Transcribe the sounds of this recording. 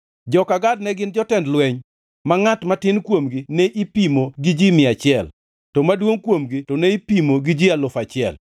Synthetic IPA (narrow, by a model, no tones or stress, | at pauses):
d͡ʒɔkaɡadnɛɡɪnd͡ʒɔtɛndlwɛɲ | maŋatmatɪnkwomɡinɛʔipimoɡid͡ʒimɪat͡ʃɪɛl | tɔmadwoŋkwomɡitɔnɛipimoɡid͡ʒialʊfat͡ʃɪɛ̰l